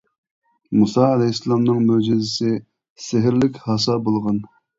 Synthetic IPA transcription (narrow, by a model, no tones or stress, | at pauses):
musɑɛlɛjsːlˠɑmnɨŋmød͡ʒɪzɪsɪ | sɪɦɪɾlɪkʲhɑs̬ɑbolˠʁɑn